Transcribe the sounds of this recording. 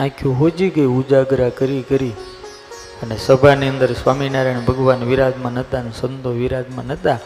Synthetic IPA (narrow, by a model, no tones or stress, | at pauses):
ãkʰjũɦod͡ʒiɡəiud͡ʒaɡɾakəɾikəɾi | ənesəbʱaniənd̪əɾsʋaminaɾeɳ̃bʱəɡʋanʋiɾad̪mãnət̪anesənd̪ʱoʋiɾad̪mãnət̪a